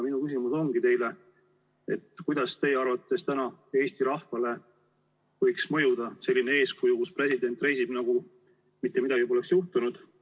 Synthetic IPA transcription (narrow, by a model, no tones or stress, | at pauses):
minukysimuso̞ŋɡit̪e̞jle | ḛt̪ːkujd̪̥ɑst̪e̞jːeɑrvɑt̪ːt̪ːest̪ænɑe̞ːst̪iɾɑhfɑle̞ | vɤ̞jksmɤ̞jud̪̥ɑse̞lːinee̞ːskujukuspre̞sid̪e̞nt̪ːˑre̞jsib̥nɑɡ̥u | mit̪ːˑemid̪ɑɡ̥ipoleksjuht̪unud̪̥